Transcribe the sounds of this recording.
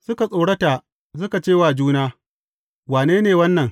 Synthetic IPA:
sʊ˦ka˨sʼoː˨ɽɐ˦ta˨ | s̬ʊ˦ka˨t͡ʃeː˦waː˨d͡ʒuː˦naː˦ | waː˨neː˦neː˨wɐ˦nːɐ˨ŋ

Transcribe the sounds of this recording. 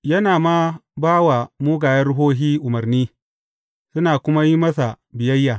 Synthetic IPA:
jɐ˦naː˨ma˦baː˦wa˨muː˦ɡaː˨jɐ˦ɽʊ˦ɦoː˦ɦiː˦ʔʊ˨mɐ˨ɾniː˦ | sʊ˦naː˨kʷʊ˦ma˦ji˦mɐ˦sa˨ | bɪ˨jɐ˦jːaː˨

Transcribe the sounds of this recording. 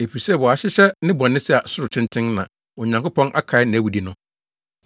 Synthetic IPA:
e˨pi˨sɛ˦˨wɔ˨a˨ɕɪ˦ɕɛ˦nɪ̃˦bɔ̃˨nːɪ̃˦sɛ˦˨a˨sʊ˦ɾʊ˨t͡ɕʰɪ̃˦ntʰɪ̃˦nnã̰˨ | ɔ˨ɲã˨ŋkʊ˦pʰɔ̃˦nʔa̰˦kʰa˨ɪ˦nɪ̃˨æ˨wu˨di˦nʊ̃˦

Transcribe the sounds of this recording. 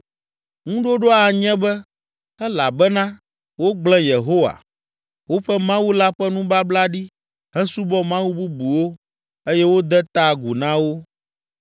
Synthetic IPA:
ŋũ˦ɖo˦ɖo˦a˨ɲɛ̃˦bɛ˦ | ɛ˦la˨bɛ˦nã˦ | wo˦ɡ͡blɛ̃˦je˨ɦo˦wa̰˨ | wo˦ɸɛ˦mã˦wu˦la˦ɸɛ˦nũ˦ba˦bla˦ɖi˦ | ɦɛ̃˦su˦bɔ˦mã˦wu˦bu˦bu˨wo˦ | e˦jɛ˦wo˦d̪ɛ˦t̪a˦ɡu˨nã˦wo˦

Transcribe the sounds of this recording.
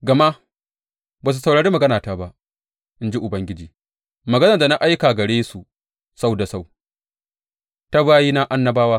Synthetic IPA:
ɡɐ˨ma˦ | baː˨s̬u˨sa˨wɽaː˨ɽi˦mɐ˨ɡɐ˦naː˨taː˦ba˦ʔ | ʔɪ˦nd͡ʒi˦ʔʊ˨bɐ˦ŋɡʲɪ˦d͡ʒiː˨ | mɐ˨ɡɐ˦nɐ˨da˨na˦ʔa˦jkaː˨ɡɐ˨ɽeː˦su˨ | sa˦wda˨sa˦˨w | ta˦baː˦jiː˦na˦ʔa˦nːɐ˦baː˦waː˦

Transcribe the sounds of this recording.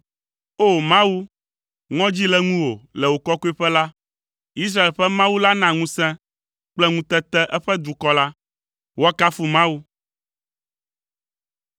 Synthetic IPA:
o˦˨mã˦wu˦ | ŋɔ̃˦d͡ʑi˦lɛ˦ŋũ˦wo˨lɛ˨wo˨kɔ˦ku˦ɛ˦ɸɛ˦la˦ | i˦s̬ɾa˦e˨lɸɛ˦mã˦wu˦la˦nã˨ŋũ˦sɛ̃˦ | k͡plɛ˦ŋũ˦t̪ɛ˦t̪ɛ˦ʔɛ˦ɸɛ˦d̪u˨kɔ˦la˦ | wo˦a˦ka˦fu˨mã˦wu˦

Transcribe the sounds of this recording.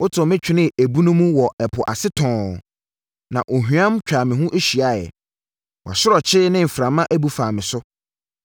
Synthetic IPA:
ʊ˦tʰʊ̃˨mɪ̃˦t͡ɕᶣʰɪ˦nɪ̃˦æ˨bu˦nũ˦mũ˦wɔ˨ɛ˨pʰʊ˨ʔa˨sɪ˦tʰɔ̃ː˨ | nã̰˨ʔo˨ɦu˨˦ã˦mt͡ɕᶣaː˨mɪ̃˨ɦũ˦ʔe˦ɕi˨a˦˨jɛ̰˨ | wʔa̰˨sʊ˦ɾɔ˨t͡ɕʰɪ˦nɪ̃˦m̩˨fɾã˨mã˦ʔæ˦bu˦faː˨mɪ̃˨sʊ˦

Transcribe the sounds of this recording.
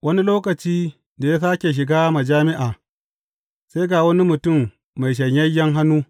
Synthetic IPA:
wʔɐ˦ni˦loː˦kɐ˨t͡ʃiː˦ | da˨ja˦saː˦kʲe˨ʃ̬ɪ˨ɡaː˦ma˨d͡ʒaː˦mɪ˦ʔaː˨ | sa˦jɡaː˨wɐ˦ni˦mʊ˨tʊ˦˨mː | a˨jʃɐ˨ɲjɐ˦jːɐ˦ŋɦa˦nuː˦

